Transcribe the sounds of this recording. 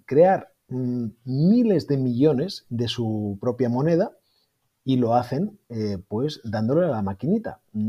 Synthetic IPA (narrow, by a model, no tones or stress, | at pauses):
kɾe̞aɾ | mile̞zðe̞miʎo̞ne̞zðe̞supɾo̞pjamo̞ne̞ð̞a | ilo̞aθe̞nepwe̞zd̪and̪o̞lealamakinit̪a̰n